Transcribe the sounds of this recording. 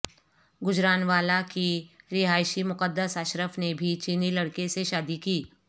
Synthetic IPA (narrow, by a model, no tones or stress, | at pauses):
ɡʊd͡ʒɾaːnʋaːlakiɾɪɦaːɪʃimʊqəd̪ːəsaːʃɾəfnebʱit͡ʃiːnilɐɽkeseʃaːd̪ikiː